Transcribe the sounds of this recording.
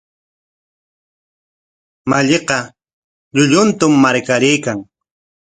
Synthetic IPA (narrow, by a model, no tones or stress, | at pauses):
maʎeqɑ | ʎʊʎʊnt̪ʊmːaɾkaɾɪjkaŋ